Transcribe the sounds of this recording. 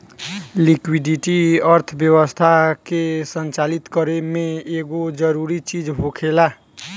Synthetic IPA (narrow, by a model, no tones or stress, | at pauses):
likwiɖiʈiəɾt̪ʰbjəwəst̪ʰakesənt͡ʃalit̪kəɾemẽeɡod͡ʒəɾuɾit͡ʃid͡ʒɦokʰela